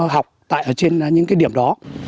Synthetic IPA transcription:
ɦa˨˩wk͡p̚t̪a̰ː˧˨jʔəː˧˩t͡ɕe˧n˨ɲɨ̰˧˥ŋkaː˨˦jɗi˧˩əmɗɔ˨˦

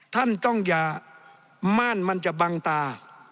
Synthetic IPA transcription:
t̪ʰa˥˨nt̪ɔ˧˥˩ŋjaː˨˩ | maː˥˨nma˧˥nt͡ɕa˨˩ba˧ŋt̪aː˧

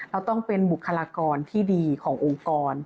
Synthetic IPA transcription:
ɾɛ˧wt̪ɔ˥˩ŋpe˧nbu˨˩kʰːa˧laː˧kɔː˧nt̪ʰiː˥˩diː˧kʰɔː˩˦ŋʔo˧ŋkɔː˧n

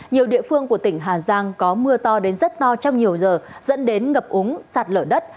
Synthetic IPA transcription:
ɲi˨˩əwɗḭ˧˨əfɨ˧əŋku˧˩ə˩t̪ï˧˩ŋ̟ɦaː˨˩zaː˧ŋkɔ˨˦mɨ˧ət̪ɔ˧ɗe˨˦nzə˦˥t̚t̪ɔ˧t͡ɕɔ˧wŋ͡mɲi˨˩əwzəː˨˩zə̰˧˥nɗe˨˦nŋə˨˩p̚ʔʊ˨˦ŋsaː˨˩t̚ləː˧˩ɗə˦˥t̚

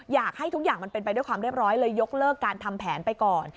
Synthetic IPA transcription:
jaː˨˩k̚ha˥˩jt̪ʰu˦˥k̚jaː˨˩ŋma˧npe˧npa˧jdu˥˩jkwaː˧mɾi˥˩əp̚ɾɔː˦˥jlɤː˧jːo˦˥k̚lɤː˥˩kːaː˧nt̪ʰa˧mpʰɛː˩˦npa˧jkɔː˨˩n

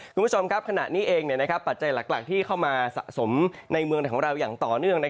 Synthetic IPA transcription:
kʰuː˧nm˦˥t͡ɕʰo˧mkʰa˦˥p̚kʰa˧naː˨˩t̪̚niː˦˥ʔeː˧ŋni˨˩əna˦˥kʰa˦˥pːa˨˩t̪̚t͡ɕa˧jlaː˨˩k̚laː˨˩k̚t̪ʰiː˥˩kʰa˥˩wmaː˧sa̰˨˩ʔso˩˦mna˧jmɯ˧əna˩kʰɔː˩˦ŋɾa˧wjaː˨˩ŋt̪ɔː˨˩nɯ˥˩əŋna˦˥

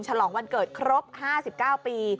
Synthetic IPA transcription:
ŋt͡ɕʰa˧lɔː˩˦ŋwa˧nkɤː˨˩t̪̚kʰɾo˦˥p̚haː˥˩si˨˩p̚kaː˥˩wpiː˧

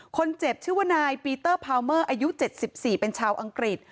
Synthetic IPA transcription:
kʰo˧nt͡ɕe˨˩p̚t͡ɕʰi˥˩wa˧˥˩naː˧jpiː˧t̪ɤː˥˩pʰaː˧wmɤː˥˩ʔaː˧ju˦˥t͡ɕe˨˩t̪̚si˨˩p̚siː˨˩pe˧nt͡ɕʰaː˧wʔa˧ŋkɾi˨˩t̪̚

